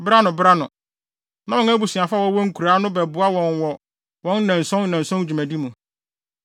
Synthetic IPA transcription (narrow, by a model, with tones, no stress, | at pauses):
bɾa˦nʊ̃˨bɾa˦nʊ̃˨ | nã˦ɔ̃˨˦ŋæ˦bu˨si˨a˨fa˦wɔ˦wɔ˦ŋ̩˦kʰu˨ɾaː˨˦nʊ̃˦bɛ˨bʊ˨a˦wɔ̃˨nwɔ˨ | wɔ̃˦n̩˦nɛ̃˨n˨sɔ̃˦n˦nɛ̃˨n˨sɔ̃˦d͡ʑᶣu˨mæ̃˨di˦mũ˨